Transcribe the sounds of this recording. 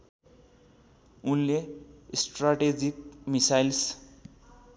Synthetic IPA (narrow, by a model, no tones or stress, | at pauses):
unlesʈraʈed͡zikmisajls